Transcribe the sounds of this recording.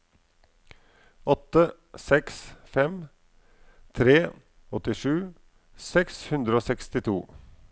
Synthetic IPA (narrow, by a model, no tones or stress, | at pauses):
ɔt̪ːə | sɛksfɛm | t̪ʰɾeː | ɔt̪ɪʂʉː | sɛkshʉnd̪ɾəoːsɛkst̪ɪt̪ʰuː